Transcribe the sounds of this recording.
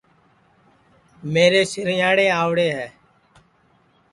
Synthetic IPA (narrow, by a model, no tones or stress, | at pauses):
meːɾeːsɪɾjaːɽeːaːʋɽeːɦɛː